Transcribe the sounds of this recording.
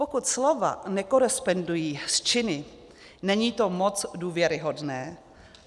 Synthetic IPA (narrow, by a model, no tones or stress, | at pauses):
pokut̪slova̰nɛkoɾɛspondujiːst͡ʃɪnɪ | nɛɲiːt̪o̞mot͡sduːvjɛɾɪɦodnɛː